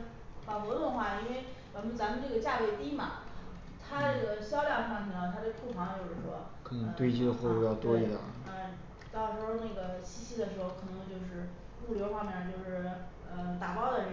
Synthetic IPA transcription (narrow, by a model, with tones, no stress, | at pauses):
fɑ˨˩xɔ˧˥t̪ʊ˥˧ŋxwa˥˩i˥nwe˥˧ɪwa˧˥mə˧nt͡sa˧˥mə˧˨nʈ͡ʂɤ˥˩ɡə˩t͡ɕja˥˧kwe˥˩ɪt̪i˥mɐ˨˩ | t̪ʰa˥n˥ə˥˩ɡə˩ɕjɑ˥ʊljɑ˥˧ŋʂa˥˩ŋt͡ɕʰnə˧˩t̪ʰa˥e˥˧ɪkʰu˥˩fɑ˧˥ŋt͡ɕjo˥˧ʊʂɻ̩˥˩ʂwɔ̰˥ | kʰɤ˨˩nɤ˧˥ŋt̪we˥ɪt͡ɕi˥d̪ə˨xwɔ˥˧˩u˥˧jɑ˥˩ʊt̪wɔ˥i˧˥˩d̪ɑ̰˨˩a˥˩ɪ | t̪ɑ˥˩ʊlʂɻ̩˧˥xo˥˧ʊna˥˩ɡə˩ɕi˥ɕʰi˧˥d̪ə˨ʂɻ̩˧˥xo˧˩ʊkʰɤ˨˩nɤ˧˥ŋt͡ɕjo˥˧ʊʂɻ̩˥˧ | u˥˩ljo˧˥ʊxwa˥˧mjɛ˥˩t͡ɕjo˥˧ʊʂɻ̩˥˩ | ə˧˩t̪a˨˩pɑ˥ʊd̪ə˨ə˧˥